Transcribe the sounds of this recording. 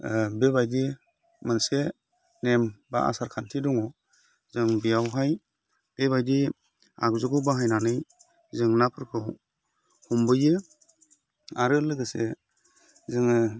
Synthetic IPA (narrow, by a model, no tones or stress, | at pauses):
bebajdi | mɯnse | nemba̰a̰saɾkʰantʰidɔŋɔ | zɯŋbijawɦaj | b̥ebajdi | a̰kzɯɡɯwbaɦajnanɯj | zɯŋnapʰɯɾkʰɯw | humbɯjɯ | aɾɯlɯɡɯse | zɯŋɯ